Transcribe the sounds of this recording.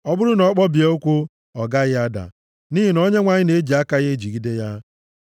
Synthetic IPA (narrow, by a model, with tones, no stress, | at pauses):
ɔ˦bʊ˦ɾʊ˦nɔ˨˦k͡pɔ˦bi˨e˦o˦kʷu˦ | ɔ˨ɡa˦ɣɪ˦a˦da̰˨ | ni˦ɦi˨no˦ɲe˦ŋʷa˨ɲɪ˦ne˨e˦d͡ʒi˨a˦ka˦ɣe˦e˦d͡ʒi˨ɡi˦de˦ja˦